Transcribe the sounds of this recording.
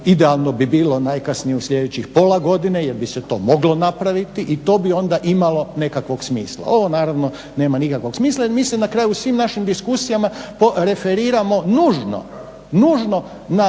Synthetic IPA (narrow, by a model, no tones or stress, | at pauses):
id̪ealˠno̞bibiːlo̞najkasnijeusʎʲe̞d̪et͡ɕixpo̞laɡo̞d̪inejeɾbiset̪o̞̰ːmo̞ɡlo̞napɾaʋit̪iʔit̪o̞ːbio̞nd̪aʔimalo̞ne̞kakʋo̞ɡsmiːslˠa̰o̞ʋo̞naːɾaʋno̞ | ne̞ːmanikakʋo̞ɡ̥smiːslˠaiɾmiːsenakɾaːjusʋiːmnaʃimd̪iskusijamapoɾe̞feɾiːɾamo̞nuːʒno̰ | nuːʒno̞ | na